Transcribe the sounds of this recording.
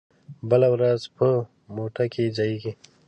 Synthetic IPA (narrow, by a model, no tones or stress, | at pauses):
bəlawɾazpʰə | moʈakʰid͡zaiɡi